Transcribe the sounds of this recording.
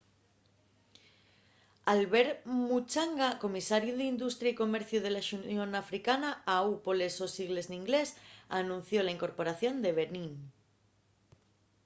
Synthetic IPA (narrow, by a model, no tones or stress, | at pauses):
alβeɾmut͡ʃaŋɡako̞misaɾjuðind̪ust̪ɾjaiko̞meɾθjuðelaʃunjõnafɾikanaaupolesosiɣle̞znĩŋɡlesanũn̟θjolaiŋko̞ɾpo̞ɾaθjõ̞nd̪eβeɾnĩn